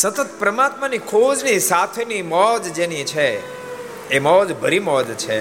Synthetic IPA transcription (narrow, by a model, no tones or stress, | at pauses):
sət̪ət̪̚pɾəmat̪manikʰod͡ʒnisat̪ʰenimɔd͡ʒd͡ʒenit͡ʃʰeː | mɔd͡ʒbʱəɾimɔd͡ʒt͡ʃʰe